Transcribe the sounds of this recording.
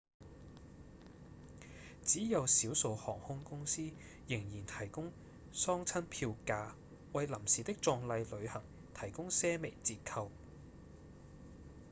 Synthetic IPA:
t͡siː˨˥jɐ˨˧wsiː˨˥wso˨˧whɔː˨˩ŋhʊ˥ŋkʊ˥ŋsiː˥ | jɪ˨˩ŋjiː˨˩nt̪ʰɐ˨˩jkʊ˥ŋ | sɔː˥ŋt͡sʰɐ˥npʰiː˧wkaː˧ | wɐ˨jlɐ˨˩msiː˨˩t̪ɪ˥k̚t͡sɔː˧ŋlɐ˧jlɵ˨˧ɥhɐ˨˩ŋ | t̪ʰɐ˨˩jkʊ˥ŋsɛː˥me˨˩jt͡siː˧t̚kʰɐ˧w

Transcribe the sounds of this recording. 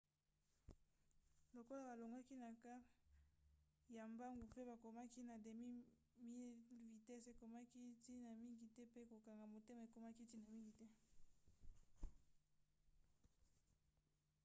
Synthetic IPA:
lo˨ko˦la˦ba˨lo˨ŋɡa˦ki˦na˨ka˦ | ja˨mba˦ŋɡo˨pe˦ba˨ko˨ma˦ki˦na˨de˨mi˦ | mi˦˨vi˨tɛ˦se˨ko˨ma˦ki˦ti˦na˨mi˦ŋɡi˨tɛ˦pe˦ko˨ka˨ŋɡa˨mo˨te˦ma˨e˨ko˨ma˦ki˦ti˦na˨mi˦ŋɡi˨tɛ˦

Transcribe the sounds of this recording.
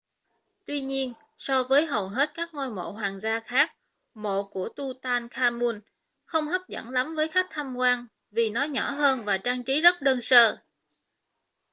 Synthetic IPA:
t̪wi˧ɲi˧ən | sɔ˧vəː˨˦jɦə˨˩wɦe˦˥t̚kaː˦˥k̚ŋo˧jmo̰˧˨ɦwaː˨˩ŋzaː˧xaː˦˥k̚ | mo̰˧˨ku˧˩ət̪u˧t̪aː˧nkʰaː˧mu˧n | xə˧wŋ͡mɦə˦˥p̚zə̰˧˩nla˨˦mvəː˨˦jxa˦˥k̟̚t̪ʰa˧mkwaː˧n | vi˨˩nɔ˨˦ɲɔ˧˩ɦəː˧nvaː˨˩t͡ɕaː˧ŋt͡ɕi˨˦zə˦˥t̚ɗəː˧nsəː˧

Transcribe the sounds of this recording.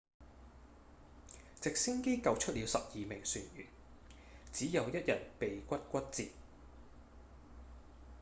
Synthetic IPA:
t͡sɪ˨k̚si˥ŋke˥jkɐ˨˧wt͡ʃʰɵ˥t̚liː˨˧wsɐ˨p̚jiː˨mɪ˨˩ŋsyː˨njy̰ː˨˩n | t͡siː˨˥jɐ˨˧wjɐ˥t̚jɐ˨˩t̚pe˨jkʷɐ˥t̚kʷɐ˥t̚t͡siː˨t̚

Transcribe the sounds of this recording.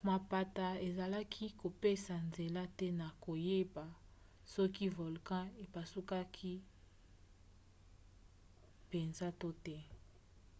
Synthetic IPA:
ma˨pa˨ta˨e˨za˨la˦kʰi˦ko˨pe˦sa˨nze˨la˦tɛ˦na˨ko˨je˦ba˨ | sɔ˦ki˦vo˨lkã˦e˨pa˨su˦ka˦kʰi˦ | pe˨nza˦to˦tɛ˦

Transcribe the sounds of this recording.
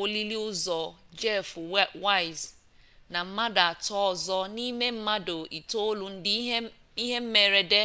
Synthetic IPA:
o˦li˦li˦ʊ˦zɔ˨d͡ʒɛ˦˨fwa˦ɪ˨z | na˨m̩˦ma˦da˨a˨tɔ˦ɔ˨zɔ˦ni˦me˦m̩˦ma˦do˨ʔi˨to˦lu˨n̩˦d | i˦ɦe˦m̩˦me˨ɾe˨de˦

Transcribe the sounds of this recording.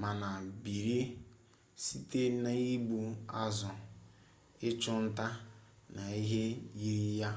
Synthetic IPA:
ma˨na˨bi˨ɾi˦ | si˦te˦na˨i˦ɡ͡bu˨a˦zʊ˨ | ɪ˦t͡ʃʊ˦n̩˦ta˦na˨i˦ɦe˦ji˦ɾi˦ja˦

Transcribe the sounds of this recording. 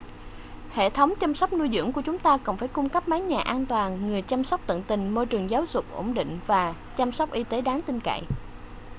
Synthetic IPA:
hḛ˧˨t̪ʰə˨˦wŋ͡mt͡ɕa˧msɔ˦˥k͡p̚nu˧jzɨ̰˧˥əŋku˧˩ət͡ɕʊ˨˦ŋ͡mt̪aː˧kɔ˨˧˩nfaː˧˩jkʊ˧ŋ͡mkə˦˥p̚maː˨˦ŋɲaː˨˩ʔaː˧nt̪waː˨˩nŋɨ˨˩əjt͡ɕa˧msɔ˦˥wk͡p̚t̪ə̰˧˨ŋt̪ï˨˩ŋ̟mo˧jt͡ɕɨ˨˩əŋzaː˨˦wzʊ˨˩k͡p̚ʔo̰˧˩ŋ͡mɗḭ̈˧˨ŋ̟vaː˨˩ | t͡ɕa˧msɔ˦˥wk͡p̚ʔi˧t̪e˨˦ɗaː˨˦ŋt̪ï˧ŋka̰˧˨j

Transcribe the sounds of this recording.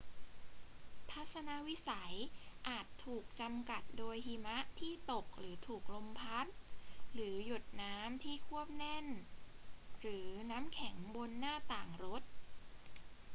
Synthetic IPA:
t̪ʰa˦˥t̪̚sa˧na˧˥wi˦˥sa˩˦jʔaː˨˩t̪ʰːuː˨˩k̚t͡ɕa˧mka˨˩t̪̚doː˧jhiː˧ma˦˥ʔt̪ʰiː˥˩t̪o˨˩k̚ɾɯː˩˦t̪ʰuː˨˩k̚lo˧mpʰa˦˥t̪̚ɾɯː˩˦ju˨˩t̪̚naː˦˥mt̪ʰiː˥˩kʰu˥˩əp̚nɛ˥˩n | ɾɯː˩˦naː˦˥mkʰɛ˩˦ŋbo˧nːaː˥˩t̪aː˨˩ŋɾo˦˥t̪̚

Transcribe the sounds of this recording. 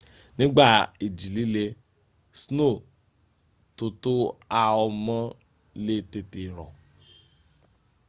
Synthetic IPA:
nĩ˦ɡ͡ba˦˨i˨d͡ʒi˨li˦le˧ | sno˦˨ | to˧to˦a˧ɔ˧mɔ̃˦ | le˦te˧te˨ɾɔ̰˨

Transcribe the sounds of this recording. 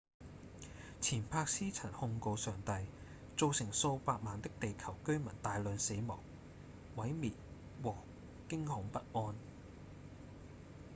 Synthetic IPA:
t͡sʰiː˨˩npʰaː˧k̚siː˥t͡sʰɐ˨˩nhʊ˧ŋko˧wsœː˨ŋt̪ɐ˧j | t͡so˨wsɪ˨˩ŋso˧wpaː˧k̚maː˨nt̪ɪ˥k̚t̪e˨jkʰɐ˨˩wkɵ˥ɥmɐ˨˩nt̪aː˨jlœː˨˧nse˨˥jmɔ˨˩w | wɐ˨˥jmiː˨t̚ | wɔː˨˩ | kɪ˥ŋhʊ˨˥ŋpɐ˥t̚ʔɔː˥n

